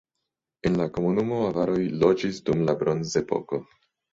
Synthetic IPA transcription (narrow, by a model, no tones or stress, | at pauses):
e̞nlako̞munumo̞avaɾo̞jlo̞d͡ʒisdumlabɾo̞nze̞po̞̰ko̞